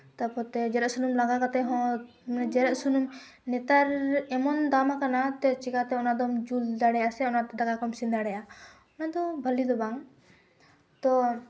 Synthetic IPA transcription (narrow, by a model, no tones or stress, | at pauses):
t̪apɔɾt̪ɛd͡ʒɛɾɛʔsunumlaɡakat̪ɛɦɔ̃ | mnɛd͡ʒɛɾɛʔsunum | nɛt̪aɾɛmɔnd̪amakanat̪ɛt͡ʃikat̪ɛɔnad̪ɔmd͡ʒuld̪aɽɛjasɛɔnat̪ɛd̪akakɔmsind̪aɽɛja | ɔnad̪ɔbʱəlid̪ɔbaŋ | t̪ɔ